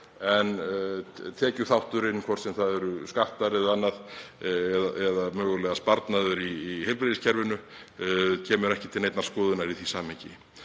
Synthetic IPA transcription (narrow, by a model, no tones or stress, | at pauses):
ɛn | t̪ʰɛːcʏθawht̪ʏɾɪnːkʰvɔr̥tsɛmθaðɛɾʏskaht̪aɾɪðanːaðɛðaʔɛðamœːɣʏlɛːɣaspaɾt̪naðʏɾiːhejlpɾeːðɪscʰɛɾvʏnʏ | cʰɛːmʏɾɛhcɪt̪ʰɪlejt̪naɾ̥skɔːðʏnaɾiθisaːmhɛcɪ̰